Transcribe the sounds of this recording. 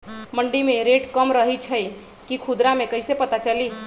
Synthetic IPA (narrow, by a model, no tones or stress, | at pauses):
məɳɖimeɾeʈkəmɾəɦit͡ʃʰəj | kikʰud̪ɾamekəɪsepət̪at͡ʃəli